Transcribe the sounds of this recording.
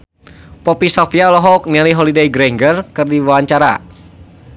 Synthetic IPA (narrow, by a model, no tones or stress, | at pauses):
pɔpisɔfialɔɦɔk̚nialiɦɔlidejɡɾɛŋɡərkɨrdiwawaɲt͡ʃaɾa̰